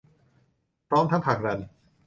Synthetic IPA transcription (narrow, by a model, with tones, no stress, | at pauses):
pʰɾɔː˦˥mt̪ʰa˦˥ŋpʰaː˨˩k̚ɾa˧n